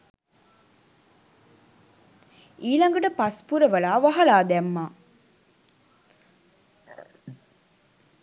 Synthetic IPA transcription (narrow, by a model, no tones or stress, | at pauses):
iːlɐŋɡəʈəpɐspuɾəʋɐlaːʋɐɦɐlaːd̪æmːaː